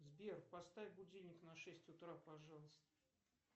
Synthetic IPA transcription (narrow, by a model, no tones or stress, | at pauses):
zbʲerpɐst̪avʲbʊdʲilʲnʲɪknɐʂɛsʲtʲʊt̪ɾapɐʐɑlˠəst̪ə̥